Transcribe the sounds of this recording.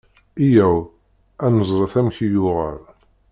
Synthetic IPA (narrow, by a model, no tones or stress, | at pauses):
ijæw | ænəzˤɾˤəθæmçijʊʁəɾ